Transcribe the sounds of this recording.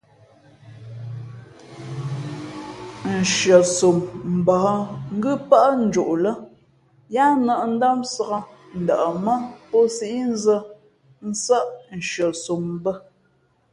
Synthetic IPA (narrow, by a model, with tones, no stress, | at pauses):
n̩˨ʃɥə˨so˨mm̩˨bɔ˨hɔ˦ŋ̩˦ɡʉ˦pa˦ʔn̩˨˦d͡ʒo˨ʔlə˦ | ja˦nə˨ʔn̩˦da˦msə˨ɣə˦ | n̩˨də˨ʔə˨mə˦pɔ˦si˦ʔi˦n˦zə˦ | n̩˦sə˦ʔn̩˨ʃɰə˨so˨m˦bə˦